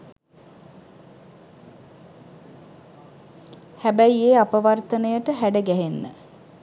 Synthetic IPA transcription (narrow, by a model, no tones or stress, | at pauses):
hæbæjieːapəʋart̪ənəjəʈəɦæɖəɡæɦenːə̰